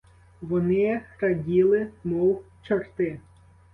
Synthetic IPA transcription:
ʋɔnɪxɾɐdʲilˠɪmɔw | t͡ʃɐrt̪ɪ

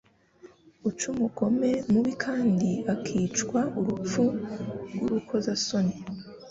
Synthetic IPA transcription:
ut͡ʃumuɡo̞me̞muβikʰaːndiakʰiːt͡ʃkwaʔuɾup͡fuɡuɾukʰo̞zasoni

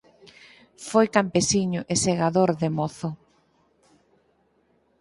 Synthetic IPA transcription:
fojkampesiɲʊʔeseɣaðoɾðemoθʊ

